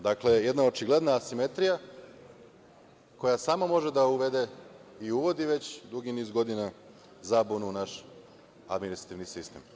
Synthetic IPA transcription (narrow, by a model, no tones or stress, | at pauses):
d̪aklejed̪naot͡ʃiɡle̞d̪naːsime̞t̪ɾija | ko̞jasaːmamo̞ʒed̪auʋe̞d̪e̞iuʋo̞d̪iʋe̞t͡ɕd̪ɾuɡiniːzɡo̞d̪ina | zabununaʃ | a̰d̪minist̪ɾat̪iʋnisist̪em